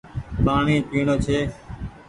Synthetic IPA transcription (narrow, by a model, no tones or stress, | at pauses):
ɓaːɳĩːpiːɳoːt͡ʃʰeː